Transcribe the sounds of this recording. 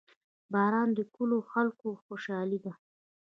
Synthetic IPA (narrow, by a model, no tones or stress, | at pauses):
bɑɾɑnd̪əkəloxalkoxoʃɑlid̪a